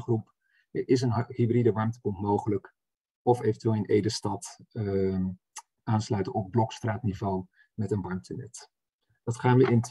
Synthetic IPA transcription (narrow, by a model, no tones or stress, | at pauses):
χrup | ɪs̬ənhybridəʋɑɹmtə̥pɔntmowχələk | ɔfejvəntyʋelˠənʔejdəstɑt | aːnslœɥtənɔb̚blɔkstraːtnivow | mɛtənʋɑɹmtənɛt | dɑtχaːnʋəʔɪnt